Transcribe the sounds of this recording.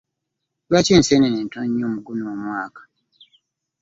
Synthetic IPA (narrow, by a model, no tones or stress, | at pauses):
lwaceːnseneneːntoɲːoːmuɡunoːmwaːkḁ